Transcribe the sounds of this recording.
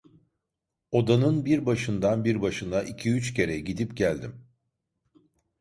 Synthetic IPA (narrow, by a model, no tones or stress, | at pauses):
o̞d̪anɯnbiɾbaʃɯnd̪anbiɾbaʃɯnaʔicʰiyt͡ʃcʰe̞ɾɛɟid̪ipɟælʲd̪im